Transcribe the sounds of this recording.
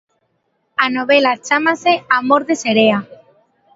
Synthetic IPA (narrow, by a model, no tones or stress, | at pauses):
anoβ̞elat͡ʃamaseamoɾðeseɾea